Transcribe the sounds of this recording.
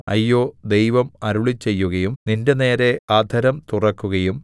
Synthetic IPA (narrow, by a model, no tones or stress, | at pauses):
ɐ̰jːo̞ːd̪e̞jʋɐmɐɾuɭit͡ɕːe̞jːuɣɐjumninde̞ne̞ːɾe̞aːd̪ʱɐɾɐmt̪urɐkːuɣɐjum